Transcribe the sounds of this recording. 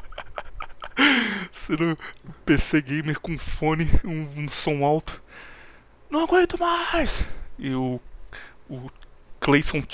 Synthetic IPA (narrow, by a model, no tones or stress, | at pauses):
sɪnõpeseɡẽj̃meɾkõũfõnɪũũsõw̃awt̪ʊ̥ | nɐ̃w̃aɡwẽɾt̪ʊmajsɪʊ | ʊklejsõt͡ʃ